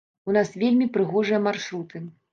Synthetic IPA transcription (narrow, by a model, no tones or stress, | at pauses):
unasvʲelʲmʲipɾɨɣɔʐɨjɐmarʂɾut̪ɨ